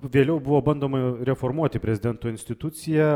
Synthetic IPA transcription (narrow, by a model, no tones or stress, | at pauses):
ʋʲeːlʲɛʊbʊʋoːbɐnd̪oːmɐɾʲɛfoːrmuɔt̪ʲɪpʲɾʲɛzʲɪd̪ʲɛnt̪oːɪnʲsʲt̪ʲɪt̪ʊt̪sʲɪjɛ